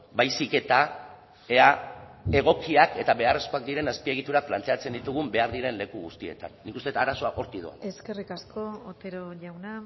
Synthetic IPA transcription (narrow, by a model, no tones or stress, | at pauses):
bajsike̞t̪a | e̞ae̞ɣ̞o̞kiake̞t̪aβe̞are̞sko̞ak̚d̪iɾe̞naspie̞ɣ̞it̪uɾaplant̪e̞at͡se̞nd̪it̪uɣ̞umbe̞aɾðiɾe̞nle̞kuɣust̪ie̞̰t̪a̰nːikust̪e̞t̪aɾaso̞aʔo̞ɾt̪iðoa̰eske̞rikaskoot̪eɾoʎawna